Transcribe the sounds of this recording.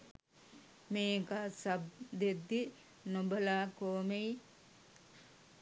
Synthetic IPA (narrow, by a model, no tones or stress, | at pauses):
meːkaːsabd̪ed̪ːi | nobɐlaːkoːmej